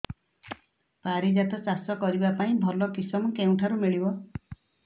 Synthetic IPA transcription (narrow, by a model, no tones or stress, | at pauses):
paɾid͡ʒat̪ʰɔsasɔkɔɾibapaĩbʱɔlɔkisɔmɔkeũʈʰaɾumiɭibɔ